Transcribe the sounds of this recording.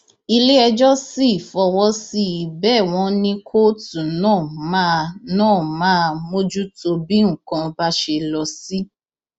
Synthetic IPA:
i˧le˦ɛ˧d͡ʒɔ˦si˦˨fɔ˧wɔ˦si˦˨bɛː˦˨w̃ɔ̃˦nĩ˦kʰo˦tũ˨nãː˦˨mã˦nãː˦˨mãː˦˧mo˦d͡ʒu˦to˧bi˦ŋ̩˦˨kã˧ba˦ʃe˧lɔ˧si˦

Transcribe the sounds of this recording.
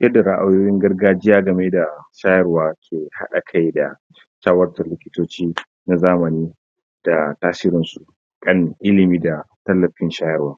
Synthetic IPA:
jʔɐ˦dːa˨ɾa˦ʔa˨joː˦jɪ˦ŋɡɐ˦rɡaː˦d͡ʒɪ˦jaː˦ɡɐ˨me˦da˨ʃaː˦jɐ˦rwaː˦kʲʰeː˨ha̰˦ɗa˨kʰa˦jda̰˨ | ʃaː˦wɐ˦rtɐ˨rlɪ˦kʲɪ˦toː˦t͡ʃiː˦ | na˨zaː˦mɐ˨niː˦ | d̥a˨taː˦sɪ˦ɾɪ˦nsu˨ | kʼɐ˦ŋʔɪ˦lɪ˨miː˦da˨ | tɐ˦lːɐ˨ɸɪ˦nʃaː˦jɐ˦˨rwaː˦

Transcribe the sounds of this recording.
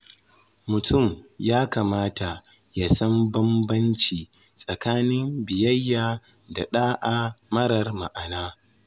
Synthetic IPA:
mʊ˨tʰʊ˦˨mjaː˦kaː˨maː˦ta˨ | ja˨sɐ˦mbɐ˦mbɐ˦nt͡ʃiː˨ | sʼɐ˨kaː˦nɪ˦mbɪ˨jɐ˦jːaː˨ | da˨ɗaː˦ʔa˨mɐ˦ɾɐ˨rma̰˨ʔa˨naː˦

